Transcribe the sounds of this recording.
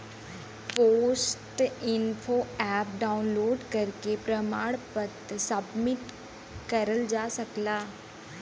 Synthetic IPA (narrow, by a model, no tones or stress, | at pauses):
poːsʈɪnpʰoːɛːp̚ɖaːʊnloːɖkəɾkepɾəmaːɽpət̪səbmɪt̪ | kəɾəld͡ʒaːsəklaː